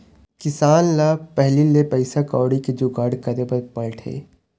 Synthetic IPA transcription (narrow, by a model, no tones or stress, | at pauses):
kɪsaːnlaːpɛɦlilepɛɪsakɔːɽiked͡ʒuɡaːɽkɐɾepɐɾpɐɭʈʰḛː